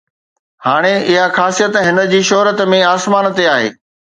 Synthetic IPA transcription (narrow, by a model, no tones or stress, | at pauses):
haːɽ̃eɪɦaxaːsijət̪ɦɪnə̆d͡ʑiːʃɔɦɾət̪mẽaːsmaːnt̪eaːɦḛː